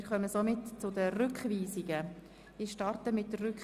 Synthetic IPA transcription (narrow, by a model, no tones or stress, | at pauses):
ɾχœməsomɪtt͡sʊdəɾʏkχʋiːsɪɡə | ɪʃtɑrtəmɪtdərːʏk